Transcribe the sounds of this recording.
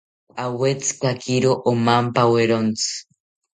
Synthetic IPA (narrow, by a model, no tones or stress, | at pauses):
awet͡sɨ̥kakiɾoʔomampaweɾont͡sɨ̥